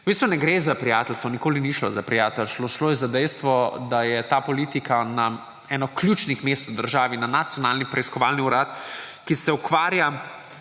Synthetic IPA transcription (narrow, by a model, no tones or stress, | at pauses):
ʊbist̪ʋunɛɡɾezapɾijaːt̪ɛlst̪ʋɔnikoːliniʃlo̰zapɾijaːt̪ɛlʃloʃloːjɛzad̪ɛjst̪ʋɔd̪ajɛt̪apɔliːt̪ikana | ɛnɔkljut͡ʃnixmeːst̪wd̪əɾʒaːʋinanat̪sijɔnalnipɾɛiskɔʋaːlniuɾaːt̪kisɛukʋaːɾja